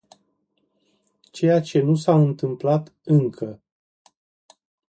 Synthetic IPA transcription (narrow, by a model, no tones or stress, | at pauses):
t͡ʃe̞jat͡ʃe̞nusaɨnt̪ɨmplat̪ɨŋkʰə